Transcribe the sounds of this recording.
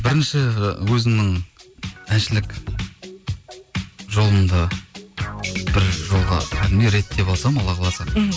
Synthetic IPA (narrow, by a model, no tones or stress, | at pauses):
bɪɾɪnʃɪwɵzɪmnɪŋ | ænʃɪlɪk | ʒo̞lˠənd̪ɑ | b̥ɪɾʒo̞lˠʁɑ̰kʲʰæd̪emeɾe̞t̪ːe̞pɑlˠsɑmɑlˠɑqʰɑlˠɑsɑm